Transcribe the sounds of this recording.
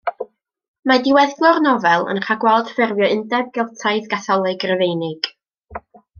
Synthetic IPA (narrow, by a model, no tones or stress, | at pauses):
madɪwɛðɡlˠɔrnɔvɛlˠə̰nχʰaɡwɛlˠd̥fɪrvjɔɪndɛb̚ɡɪlˠtʰaɨðɡaθɔlˠɨɡrəvejnɪɡ̥